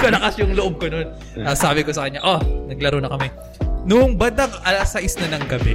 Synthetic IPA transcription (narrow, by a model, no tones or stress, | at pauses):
kɐlɐkɐsjʊŋloʔob̚konon | ɐsaːbɪkosɐkɐɲːaʔonɐɡ̚lɐɾonɐkɐmɛ | nʊŋbɐnd̪ɐŋɐlɐsɐʔɪsnɐnɐŋɡɐbɛ